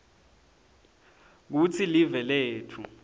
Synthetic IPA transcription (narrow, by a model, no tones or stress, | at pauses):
k̬ut͡sʰilivɛleːtʰu